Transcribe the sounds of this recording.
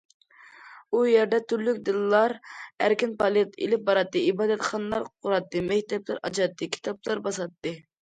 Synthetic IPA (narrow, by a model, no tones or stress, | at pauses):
ujɛɾd̪ɛt̪ʰyɾlykʲd̪ɨlˠːɑɾæ̰ɾkʲɪnpʰɑlˠit̪ḭlɪp̚bɑɾɑt̪ːɨibɑːd̪ɛt̪χɑnəlˠɑɾqʰʊɾɑt̪ːɨmɛkʲt̪ɛplɪɾʔɑt͡ʃɑt̪ːɨkʲʰi̥t̪ʰɑplˠɑɾbɑsɑt̪ːɨ